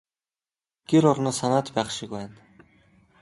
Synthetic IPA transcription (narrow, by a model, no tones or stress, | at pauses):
ɡ̥eɾʊrnɔːsanaːt̪pæːχʃɪ̆k̚pæːn